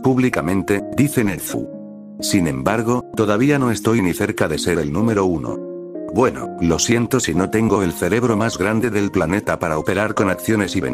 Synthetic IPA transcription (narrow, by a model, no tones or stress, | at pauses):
puβlikamẽ̞nt̪e̞d̪iθenelθṵ | sinẽ̞mbaɾɣ̞o̞t̪o̞ðaβ̞iano̞e̞st̪o̞jniθe̞ɾkaðe̞se̞ðelnume̞ɾo̞uno̰bwe̞no̰lo̞sjent̪o̞sino̞t̪e̞ŋɡo̞e̞lθe̞ɾe̞β̞ɾo̞mazɣɾand̪eðe̞lplane̞t̪apaɾaope̞ɾaɾko̞nakθjo̞ne̞siβḛn